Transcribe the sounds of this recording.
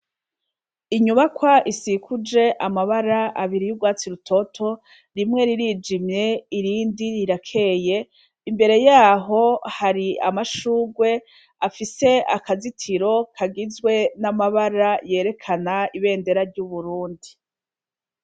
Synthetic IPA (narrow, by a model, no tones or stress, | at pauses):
iɲuβakwaʔisikʰud͡ʒe̞ʔamaβaɾaaβiɾijubɡwaːt͡siɾutʰo̞tʰo̞ | ɾimŋe̞ɾiɾiːd͡ʒimje̞iɾiːndiɾiɾakʰe̞je̞ | imbe̞ɾe̞jaːɦo̞haɾiamaʃuːɡwe̞ | afise̞akazitʰiɾo̞kʰaɡizɡwe̞namaβaɾaje̞ːɾe̞kʰanaiβe̞ːnde̞ɾaɾɟuβuɾuːndi